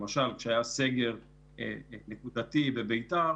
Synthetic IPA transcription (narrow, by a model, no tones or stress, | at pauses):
maʃalkʃeajase̞ɡe̞ʁ | ḛnekud̪at̪ibebe̞jta